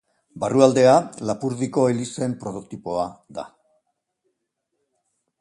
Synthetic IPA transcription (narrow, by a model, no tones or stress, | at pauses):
baruald̪e̞alapuɾðiko̞elise̞mpɾo̞t̪okt̪ipo̞aða̰